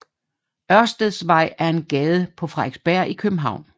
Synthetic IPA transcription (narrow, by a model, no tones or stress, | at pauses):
ɶɐsd̥əð̩ˠsʋɑ̈ɪ̰æɐe̝nɡ̥ɛːð̞ˠəpʰɒ̽fʁɑ̈eɡ̥sb̥æɐ̰ʔikʰøb̥m̩ɦɑ̈ʊ̰n